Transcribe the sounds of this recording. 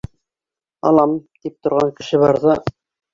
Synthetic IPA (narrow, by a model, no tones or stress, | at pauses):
ɑ̰lˠɑmt̪ip̚t̪ŏɾʁɑŋkɘ̆ʃɘβɑɾðɤ